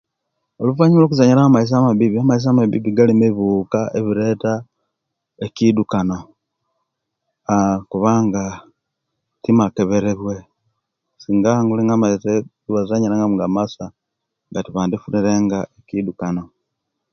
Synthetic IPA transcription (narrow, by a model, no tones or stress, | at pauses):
olufaɲilokuzaɲiɾaamais̬amaβiβiamais̬amaβḭβiɡalimeβuːkaʔeβiɾe̞ːta | ekidukano̞ | akuβaŋɡa | timakeβeɾeβwe̞ | siːŋɡaŋɡuliŋɡamaise | uβazaɲiɾaŋɡamuŋɡamasa | ŋɡatiβaːndifuniɾe̞ːŋɡaekidukano̞